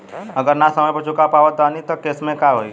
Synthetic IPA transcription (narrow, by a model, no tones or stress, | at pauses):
əɡəɾnasəməjpət͡ʃʰʊkapaʋət̪ʋanit̪ɔkesmẽkaɦoi